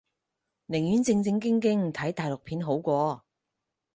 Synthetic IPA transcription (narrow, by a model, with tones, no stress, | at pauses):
nɪ˨˩ŋjy˨˥nt͡sɪ˧ŋt͡sɪ˧ŋkɪ˥ŋkɪ˥ŋt̪ʰɐ˨˥jt̪aː˨˩jlʊ˨k̚pʰiː˨˥nɦo˨˥wkʷɔː˧